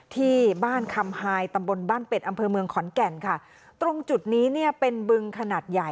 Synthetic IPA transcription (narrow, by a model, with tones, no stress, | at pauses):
t̪ʰiː˥˩baː˥˩nkʰa˧mhaː˧jt̪a˧mbo˧nbaː˥˩npe˨˩t̪ʔa˧mpʰɤː˧mɯ˧əŋkʰɔː˩˦nkɛ˨˩nkʰa˥˩ | t̪ɾo˧ŋt͡ɕu˨˩t̪̚niː˦˥ni˥˩ɐpe˧nbɯ˧ŋkʰa˧naː˨˩t̪̚ja˨˩